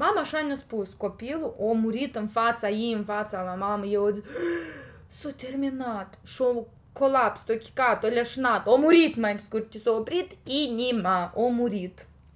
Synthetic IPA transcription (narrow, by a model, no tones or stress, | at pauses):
mamaʂanʲospuskopʲilˠuʔomuɾʲit̪ɨnfat̪sajimfat̪salˠamamɨjeod͡z̪ʲ | sot̪ʲermʲinat̪ʂo | kolˠapst̪okʲi̥kat̪olʲaʂnat̪omuɾʲit̪majmskurʲt̪ʲːisoprʲit̪inʲimaomuɾʲit̪